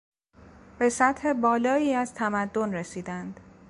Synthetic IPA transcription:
b̥e̞sæt̪he̞bɒːlɒːiːæz̥t̪ʰæmæd̪ːo̞nresiːd̪ænd̪̥

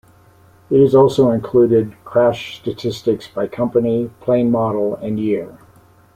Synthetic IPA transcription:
ɨɾɨzɔlˠsoʊɨ̃nkʰl̥ʉɾɪd̚kʰɹ̥æʃstɨtʰɪstɨksb̥aɪkʰʌ̃mpɨnipʰl̥ẽɪ̃nmɑɾl̩ˠɨ̃njɪɹ

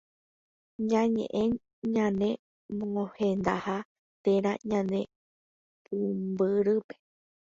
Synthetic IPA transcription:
ɲãɲḛ̃ʔẽɲ | ɲãnẽ̞ | mõhend̪a̰ha | t̪eɾaɲãnẽ | pumbɨɾɨpe

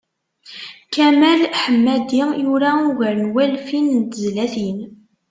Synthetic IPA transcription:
kæmælħəmːæd̪ijuɾauɣəɾnwælfinnt̪əzlæθin

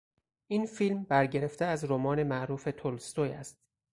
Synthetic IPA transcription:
ʔiːnfiːlmbæɾɟe̞ɾe̞ft̪eæzɾomɒːne̞mæʔɾuːfe̞t̪ʰolst̪ojæst̪

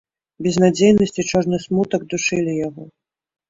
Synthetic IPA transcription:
bʲɛznad͡zʲejnɐsʲt͡sʲit͡ʂɔʐnɨsmut̪ɐɡ̚d̪uʂɨlʲijaɣɔ

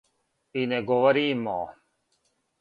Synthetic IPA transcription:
ineɡoʋɐɾiːmːɔ̰ː

